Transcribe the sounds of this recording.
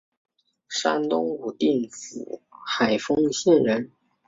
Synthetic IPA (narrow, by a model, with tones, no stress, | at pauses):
ʂa̰˥nt̪ʊ˥ŋu˨˩t̪i˥˩nt͡sɹ̩̰˨˩xa˨˩ɪfɤ˥ŋɕjɛ˥˨˩nɻə˧˥n